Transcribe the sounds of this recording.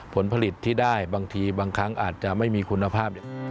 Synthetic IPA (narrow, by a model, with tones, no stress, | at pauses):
pʰo˩˦npʰa˧li˨˩t̪ʰːiː˥˩daː˥˩jbaː˧ŋt̪ʰiː˧baː˧ŋkʰa˦˥ŋʔaː˨˩t̪̚t͡ɕa˨˩ma˥˩jmiː˧kʰu˧nːa˧pʰaː˥˩p̚